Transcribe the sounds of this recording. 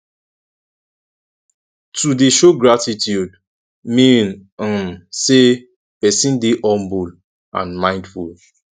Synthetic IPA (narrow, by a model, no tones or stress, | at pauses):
tudeʃoɡɹatitʰjud | mĩnmse | pɛsĩndeʔɔ̃mbul | ã̰nmãɪ̃ndful